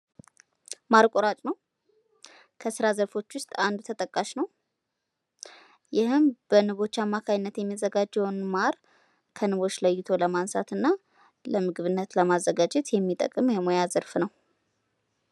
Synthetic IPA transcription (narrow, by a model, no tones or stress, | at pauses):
maɾkʼoɾat͡ʃʼnəw | kʰəsɨɾazəɾfo̞t͡ʃːwʊst̪ʼand̪ut̪ʰət̪ʼəkʼːaʃnəw | jɪhɨmb̥ənɨβo̞t͡ʃːamːakʰajɪnːət̪jɛmːizəɡad͡ʒːɛwnmaɾ | kʰənɨβo̞t͡ʃːləjːɪt̪ʰo̞ləmansa̰t̪ɨnːa | ləmɨɡβɨnːət̪ləmazːəɡad͡ʒɛt̪jɛmːit̪ʼə̰kʼɨmjɛmo̞jazəɾfnəw